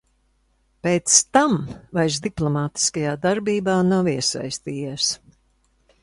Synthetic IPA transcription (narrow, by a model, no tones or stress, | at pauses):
peːt̪st̪amvajzd̪iplˠɔmaːt̪i̥skajaːd̪aɾbiːbaːnawiɛsa̰jst̪iːjɛːs